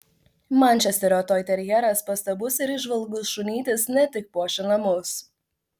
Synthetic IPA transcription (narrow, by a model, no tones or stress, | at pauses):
mɛˑnʲt͡ʃʲɛsʲt̪ʲɛɾʲoːt̪oːjt̪ʲɛɾʲjɛɾɐspɐst̪ɐbʊsɪɾɪʒʋɐlˠɡʊsʃʊnʲiːt̪ʲɪsnʲɛt̪ʲɪk̚puɔʃʲɪnɐmʊs